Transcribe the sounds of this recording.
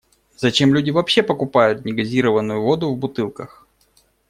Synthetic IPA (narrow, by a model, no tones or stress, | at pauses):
z̥ɐt͡ɕe̞mlʲʉdʲɪvɐpɕːepəkʊpajʊt̪̚nʲɪɡɐzʲiɾəvənːʊjʊvo̞d̪ʊvbʊt̪ɨlˠkəx